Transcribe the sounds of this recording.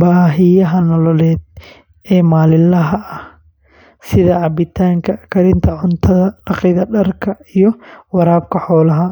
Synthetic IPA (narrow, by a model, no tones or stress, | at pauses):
baːɦɪjɐɦɐnɔlɔlɛːd̪ | ɛːmaːlɪlɐɦɐɐh | sɪðɐʕɑbɪt̪ʰaːŋkʰɐkʰɐɾɪnt̪ʰɐʕʊnt̪ʰɐðɐlɑqɪðɐɖɐrkʰɐijɞwɑɾaːb̚kʰɐħɔːlɐɦɐ